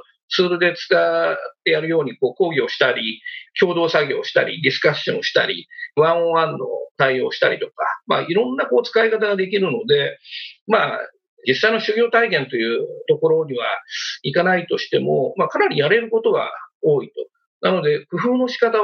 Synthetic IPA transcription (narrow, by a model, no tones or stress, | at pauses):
t͡sɨːɾod̪e̞t͡sɨ̥kat̪ːe̞jaɾɯ̟jo̞ːɲ̟iko̞ːko̞ːɡʲo̞ːɕi̥t̪aɾʲikʲo̞ːd̪o̞ːsaɡʲo̞ːɕi̥t̪a̰ɾʲḭdʲisɨ̥kaɕɕõ̰oɕi̥t̪a̰ɾʲḭβãɰ̃ãnːo̞̰t̪aio̞ːɕi̥t̪a̰ɾʲit̪o̞kama̰iɾõ̞nːako̞ːt͡sɨ̥kaikat̪aɡad̪e̞k̬ʲiɾɯ̟no̞d̪e̞ma | d͡ʑisːainoɕɨɡʲo̞ːt̪aikẽ̞nt̪o̞jɯ̟ːt̪o̞ko̞ɾo̞ɲ̟iβ̞a̰ikanait̪o̞ɕi̥t̪e̞mo̞makanaɾʲijaɾe̞ɾɯ̟ko̞t̪o̞ɡa̰oːit̪o̞ | nano̞d̪e̞kɯ̟ɸɯ̟ːno̞ɕi̥kat̪a